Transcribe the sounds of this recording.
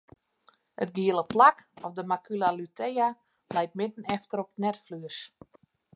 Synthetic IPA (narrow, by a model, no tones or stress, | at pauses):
ət̚ɡiəlˠəplakɔfdəmakʰylalytʰeja | lɛjt̚mɪtən̩ɛftəɾɔpətnɛtflyəs